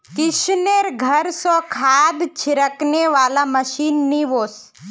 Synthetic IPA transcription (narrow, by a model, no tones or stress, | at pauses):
kɪʃneɾɡʱəɾsɔ̃kʰaːd̪t͡ʃʰiɾəkneʋaːlaməʃiːnːiʋoːs